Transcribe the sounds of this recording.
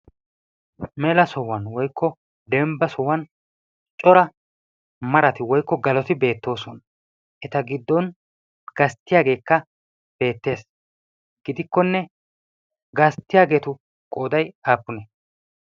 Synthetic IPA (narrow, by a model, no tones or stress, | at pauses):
mɛlɐsɔwɐnwɔjkːɔ | d̪ɛmbɐsɔwɐn | t͡ʃʼɔɾɐ | mɐɾɐt̪ɪwɔjkːɔɡɐlɔt̪ɪbe̞ːt̪ːo̞ːsɔn | ʔɛt̪ɐɡɪd̪ːɔn | ɡ̥ɐst̪ːɪjaːɡe̞ːkːɐ | b̥e̞ːt̪ːe̞ːs | ɡ̥ɪd̪ɪkːɔnːɛ | ɡɐst̪ːɪjaːɡe̞ːt̪ʊ | kʼoːd̪ɐjaːpːʊnɛ